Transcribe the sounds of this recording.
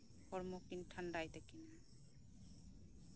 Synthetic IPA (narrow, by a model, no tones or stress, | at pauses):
hɔɾmokinʈʰaɳɖajt̪ɛkina